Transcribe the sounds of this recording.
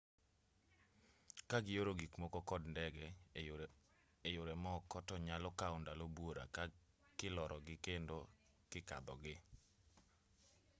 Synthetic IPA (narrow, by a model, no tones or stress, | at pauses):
kaɡɪjoɾoɡikmɔkɔkɔdndɛɡɛ | ejʊɾɛmɔkɔtɔɲalɔkaʊndalobwoɾa̰ka | kɪlɔɾʔɔɡɪkendo | kɪka̰d̪ɔɡɪ